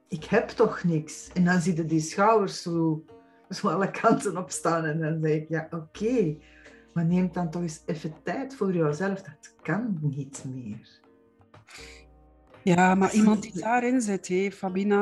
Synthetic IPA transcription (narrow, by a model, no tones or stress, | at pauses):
ɪkhɛptɔxnɪksɛndɑnzitədisxɑwərsoː | zoːɑlˠəkʰɑntənɔpstaːnɛndɑnzɛxɪkjaːʔokʰeː | maneːmt̚dɑntɔxɪsɛfətɛjtfoːrjɔwzɛləfdɑtkɑnnitmeːr | jaːmaʔimɑnt̚didaːɾɪnzɪthɛfabina